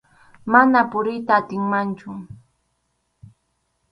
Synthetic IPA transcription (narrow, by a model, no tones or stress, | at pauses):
manapʊɾɪjt̪aːt̪ɪŋmant͡ʃʊ